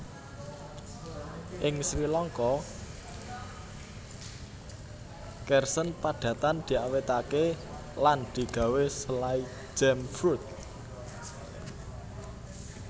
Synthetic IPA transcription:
ʔɪŋsɾilɔŋkɔ | kɛrsənpaɖ̥ä̤t̪and̪̥i̤awet̪ake | land̪̥i̤ɡ̥a̤wesəlai̥ | d͡ʒ̥ɛmfɾut̪̚

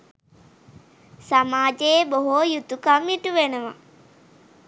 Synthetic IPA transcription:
samaːd͡ʒeboɦoːjut̪ukamiʈuʋenəʋa̰

